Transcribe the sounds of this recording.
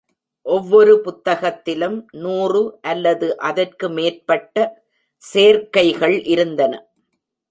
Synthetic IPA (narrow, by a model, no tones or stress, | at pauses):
ʔɔʋːɔɾɯpʊt̪ːɐɣɐt̪ːɪlɯmnuːrɯʔɐlːɐðɯʔɐðɐrkɯmeːrpɐʈːɐ | seːɾkɐɪɣɐɭʔɪɾɯnd̪ɐnɐ